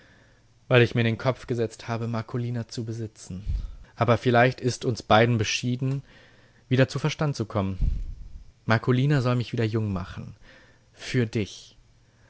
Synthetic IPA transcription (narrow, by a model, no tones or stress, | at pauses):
v̥aɪlɪçmiːɐɾeːnkʰɔpp͡fɡ̥əzɛt͡sthaːbəmaɐkʰoliːnat͡subəzɪt͡sn̩ʔaːbɐfɪlaɪçtɪstʊnsb̥aɪdn̩bəʃiːdn̩ | viːdɐt͡suːfɛɐʃtantt͡sukʰɔmən | maɐkʰoliːnazɔlmɪçv̥iːdɐjʊŋma̰χn̩ | fyːɐdɪç